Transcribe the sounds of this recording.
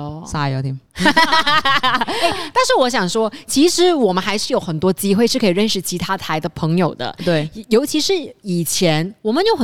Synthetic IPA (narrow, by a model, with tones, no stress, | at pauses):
sa˥˧jo˧˥t̪ʰi˧˩m | e˥˩ɪt̪a˥˧nʂɻ̩˥˩wɔ˧˥ɕ̬jɑ˨˩ŋʂwɔ˥t͡ɕʰi˧˥ʂɻ̩˧˥wɔ˨˩mə˦nxa˧˥ɪʂɻ̩˥˩jo˧˥ʊxə˨˩nt̪wɔ˥t͡ɕi˥xwe˥˧ɪʂɻ̩˥˩kʰɤ˧˥i˨˩ɻə˥˩nʂɻ̩˥˩t͡ɕʰi˧˥t̪ʰa˥t̪ʰa˧˥ɪd̪ə˧pʰɤ˧˥ŋjo˨˩ʊd̪ə̰˦t̪we˥˩ɪ˧jo˧˥ʊt͡ɕʰi˧˥ʂɻ̩˧˥i˨˩t͡ɕʰjɛ˧˥nwɔ˨˩mə˦njo˥˩ʊxə˨˩